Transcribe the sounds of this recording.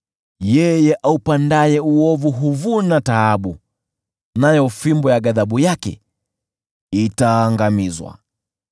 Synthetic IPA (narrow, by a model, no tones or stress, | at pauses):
jɛjɛʔaupandajɛuɔvuɦuvunataaɓu | najɔfimbɔjaɠaðaɓujakɛ̰ | itaːŋɡamizwa̰